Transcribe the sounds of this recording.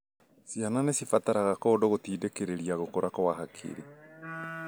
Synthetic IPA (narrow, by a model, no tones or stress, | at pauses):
siananesifataɾaɣakɔːdoɣotiːdekeɾeɾiaɣokoɾakɔwaɦakʰḛɾe